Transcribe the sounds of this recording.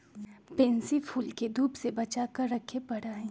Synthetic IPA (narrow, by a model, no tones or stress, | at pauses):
pẽːnsipʰuːlked̪uːbsebɐt͡ʃaːkəɾːɐkʰepɐɽaːɦɛ̃ː